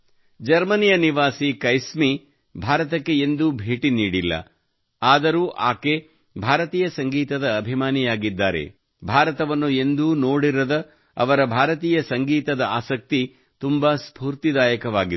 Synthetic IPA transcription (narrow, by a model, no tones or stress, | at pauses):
d͡ʒɐɾmɐnijɐniʋaːsikɐjsmi | bʱaːɾɐt̪ɐkːe̞end̪ubʱeːʈiniːɽilːɐ̰ | aːd̪ɐɾuːʔaːke | bʱaːɾɐt̪iːjɐsɐŋɡiːt̪ɐd̪ɐːbʱimaːnijaːɡid̪ːaːɾḛ | bʱaːɾɐt̪ɐʋɐnːue̞nd̪uːnoːɽiɾɐd̪ɐ | ɐ̰ʋɐɾɐbʱaːɾɐt̪iːjɐsɐŋɡiːt̪ɐd̪ɐaːsɐk̚t̪i | t̪umbɐspuːɾt̪id̪aːjɐkɐʋaːɡi